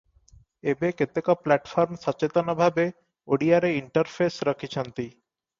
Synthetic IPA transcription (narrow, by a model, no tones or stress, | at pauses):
ebeket̪ekaplɛʈfɔɾmʃɔt͡ɕet̪onabʱabe | oɽiaɾeiɳʈaɾfʰesɾʌkʰit͡ɕʰant̪i